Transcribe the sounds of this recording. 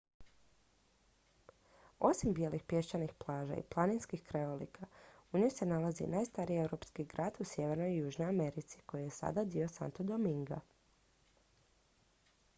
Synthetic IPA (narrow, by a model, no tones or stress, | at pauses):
o̞simbje̞lixpje̞ʃt͡ɕanixplˠaːʒa̰ḭplˠaninskixkɾeʋolḭkʰauɲo̞jse̞nalˠazḭnaːjst̪aɾiewɾo̞pskiɡɾaːd̪usje̞ʋe̞ɾno̞jːuːʒno̞jame̞ɾit̪si̥ko̞jije̞sa̰d̪ad̪io̞sa̰nt̪od̪omiŋɡa